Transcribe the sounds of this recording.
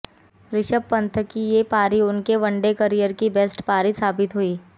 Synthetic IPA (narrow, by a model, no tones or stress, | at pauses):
ɾɪʃəbpːɐ̃nt̪ʰəkːijepaːɾiʊnkeʋɐ̃ɳɖekəɾijəɾkibɛːsʈpaːɾisaːbɪt̪ɦuiː